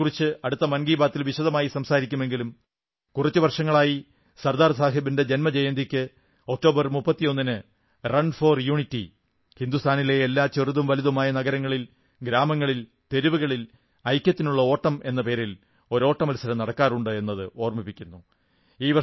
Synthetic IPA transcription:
urit͡ɕːɨɐɽut̪ːɐmɐnɡiːbaːt̪ːilʋiɕɐðɐmaːjisɐmsaːɾikʲːume̞ŋɡilum | kurɐt͡ɕːuʋɐrʂɐŋːɐɭaːji | sɐrd̪aːrsaːɦibinded͡ʑe̞nmɐd͡ʑejɐnd̪ikʲːɨ | o̞k̚ʈo̞ːbɐrmupːɐt̪ːijo̞nːinɨ | rɐnfo̞ːrjuːɳitːḭ | hind̪ust̪ʰaːnile̞elːaːt͡ɕeruðumʋɐliðɐmaːjɐnɐɣɐɾɐŋːɐɭil | ɡɾaːmɐŋːɐɭil | t̪e̞ɾuʋuɣɐɭil | ɐjkʲːɐt̪ːinuɭːɐo̞ːʈːɐme̞nːɐpe̞ːɾil | o̞ɾo̞ːʈːɐmɐlusɐɾɐmnɐɽɐkːaːruɳɖɨe̞nːɐðɨo̞ːrmipːikʲːunːu | iːʋɐ

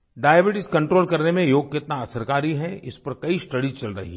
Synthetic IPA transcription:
ɖaːebɪʈɪskɐ̃ɳʈɾoːlkɐɾnemẽjoːɡ̚kɪt̪naɐsəɾkaːɾiɦɛɪspɐɾkɐisʈɐɽit͡ʃɐlɾɐ̰ɦḭ

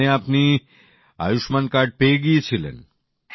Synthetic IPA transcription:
eapni | a̰juʃmankaɖ̚peɡit͡ɕʰilḛn

